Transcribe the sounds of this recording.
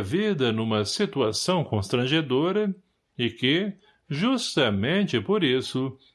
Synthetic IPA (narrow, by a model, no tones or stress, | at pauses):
vid̪ɐnũmɐsit̪uasɐ̃w̃kõst̪ɾɐ̃ʒed̪oɾɐ | ɪkɪ | ʒust̪ɐmẽnt͡ʃɪpoɾisʊ